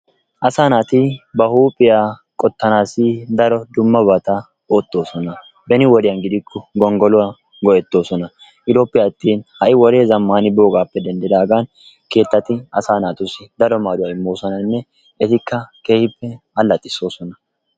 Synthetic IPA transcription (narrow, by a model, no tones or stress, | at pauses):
ʔɐsaːnaːt̪ɪbɐhuːpʼːɪjaː | kʼɔt̪ːɐnaːsɪd̪ɐɾɔd̪ʊmːɐbɐt̪ɐ | oːt̪ːo̞ːsɔnɐ | bɛnɪwɔd̪ɪjɐnɡɪd̪ɪkʰːɔɡɔŋɡɔlʊa | ɡɔʔɛt̪ːo̞ːsɔnɐ | ʔɪd̪o̞ːpʼːɪjat̪ːiːnhɐʔɪwɔɾe̞ːzɐmːaːnɪboːɡaːpːɛd̪ɛnd̪ɛd̪aːɡaːn | ke̞ːt̪ːɐt̪ɪɐsaːnaːt̪ʊsɪd̪ɐɾɔmaːd̪ʊwaːɪmːo̞ːsɔnɐnːɛ | ɛt̪ɪkːɐke̞ːhɪpːɛ | ɐlːɐt̪ʼːɪso̞ːsɔnɐ